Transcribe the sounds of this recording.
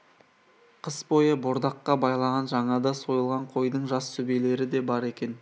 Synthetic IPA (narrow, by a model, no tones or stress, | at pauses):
qʰəsbo̞jəboɾd̪ɑqːɑbɑjlˠɑʁɑnʒɑɴɑd̪ɑso̞jəlˠʁɑɴqʰo̞jd̪əɴʒɑst̪ʰɵbele̞ɾɪd̪e̞bɑɾe̞kʲe̞n